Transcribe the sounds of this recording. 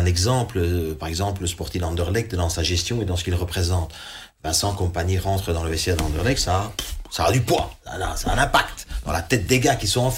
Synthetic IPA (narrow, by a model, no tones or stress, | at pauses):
ɛ̃nɛɡzɑ̃pləpaʁɛɡzɑ̃pləspɔʁt̪ilɑ̃d̪œʁlɛk̚d̪ɑ̃saʒɛst̪jɔ̃ed̪ɑ̃sə̥kilʁəpχezɑ̃t̪ | bɛ̃sɑ̃kɔ̃paɲiʁɑ̃t̪χəd̪ɑ̃ləvɛsjɛd̪ɑ̃d̪əʁlɛksasaad̪ypwãana̰saɛ̰̃nɛ̃pakt̪d̪ɑ̃lat̪ɛt̪̚d̪eɡakisɔ̃ɑ̃f